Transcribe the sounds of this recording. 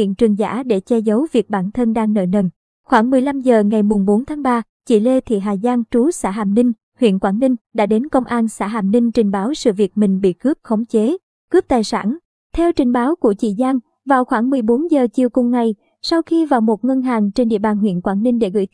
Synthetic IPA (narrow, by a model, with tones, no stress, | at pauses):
ḭ˧˨ənt͡ɕɨ˨˩əŋza̰ː˧˥ɗe˧˩t͡ɕɛ˧zə˨˦wvi˨˩ək̚ɓaː˧˩nt̪ʰə˧nɗaː˧ŋnə̰˧˨jnə˧˨˩n | xwaː˧˩ŋmɨ˨˩əjla˧mzəː˨˩ŋa˨˩jmʊ˨˩ŋ͡mɓo˨˦nt̪ʰaː˨˦ŋɓaː˧ | t͡ɕḭ˧˩le˧t̪ʰḭ˧˨ɦaː˨˩zaː˧ŋt͡ɕu˨˦sa̰ː˧˥ɦaː˨˩mnï˧ŋ̟ | hwḭ˧˨ənkwaː˧˩nnï˧ŋ̟ɗa̰ː˧˥ɗe˨˦nkə˧wŋ͡mʔaː˧nsa̰ː˧˥ɦaː˨˩mnï˧ŋ̟t͡ɕï˨˩ŋ̟ɓaː˨˦wsɨ̰˧˨vi˨˩ək̚mï˨˩ŋ̟ɓḭ˧˨kɨ˦˥p̚xə˨˦wŋ͡mt͡ɕe˨˦ | kɨ˦˥p̚t̪aː˨˩jsa̰ː˧˩n | t̪ʰɛ˧wt͡ɕï˨˩ŋ̟ɓaː˨˦wku˧˩ət͡ɕḭ˧˨zaː˧n | vaː˨˩wxwaː˧˩ŋmɨ˨˩əjɓo˨˦nzəː˨˩t͡ɕi˨˩əwkʊ˨˩ŋ͡mŋa˨˩j | sa˧wxi˧vaː˨˩wmo˨˩t̚ŋə˧nɦaː˨˩ŋt͡ɕe˧nɗḭ˧˨əɓaː˨˩nhwḭ˧˨ənkwaː˧˩nːï˧ŋ̟ɗe˧˩ɣɨ̰˧˩